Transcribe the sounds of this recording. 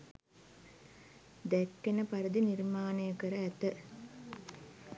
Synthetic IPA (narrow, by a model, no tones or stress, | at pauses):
d̪ɛkːenəpaɾəd̪inirmaːnəjəkəɾəæt̪ə